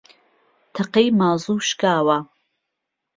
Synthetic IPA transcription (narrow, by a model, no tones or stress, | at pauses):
t̪ʰɐqejmaːzˤuːʃkaːwɐ